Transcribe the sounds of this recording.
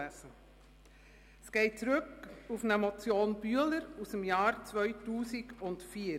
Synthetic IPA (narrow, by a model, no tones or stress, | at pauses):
æsə | sɡ̥eɪt͡sɾʏkufnəmɔt͡sjoːnb̥yələɾusəmjɑːɾt͡svœʏtuːsɪɡʊndtfiːəɾ